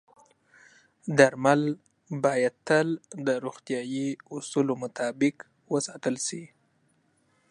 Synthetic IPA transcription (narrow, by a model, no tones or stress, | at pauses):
d̪aɾmal | bɑjad̪̚t̪əld̪əɾoɣt̪jɑjiusulomʊt̪ʰɑbɪk | wəsɑt̪əlsi